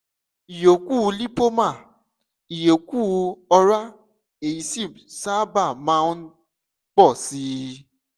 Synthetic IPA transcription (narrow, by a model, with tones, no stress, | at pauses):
i˨jo˨ku˦˨˧li˦po˦mã˦˨ | i˨jo˨ku˦˨˧ɔ˧ɾa˦ | e˨ji˨˦si˦˨sa˦ba˦˨mãː˨˦n˦ | k͡pɔ˦˨si˦